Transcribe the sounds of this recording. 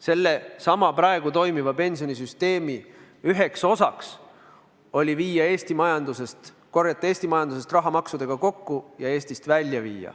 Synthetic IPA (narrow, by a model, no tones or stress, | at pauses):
se̞lːe̞sɑmɑpɾɑe̞ɡ̥ut̪o̞jmivɑpe̞nsionisyst̪e̞ːmi | yɦe̞kso̞sɑks | o̞lʲiviːjɑe̞ːst̪imɑjɑnd̪use̞st̪ | ko̞rjɑt̪ːˑee̞ːst̪imɑjɑnd̪use̞st̪rɑɦɑmɑksud̪̥e̞ɡ̥ɑko̞kːujɑe̞ːst̪ist̪vælʲjɑvḭːjɑ̰